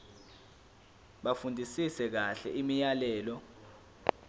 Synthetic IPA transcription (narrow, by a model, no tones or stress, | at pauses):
ɓafundʱisisɛk̬aɬɛʔimijalɛːlɔ